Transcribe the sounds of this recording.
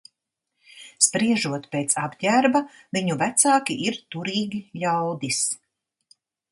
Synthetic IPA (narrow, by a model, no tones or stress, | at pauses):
spɾiɛʒuɔt̪peːt̪sabɟæɾba | viɲuvæt̪saːkiiɾt̪uɾiːɡʲiʎʲawd̪is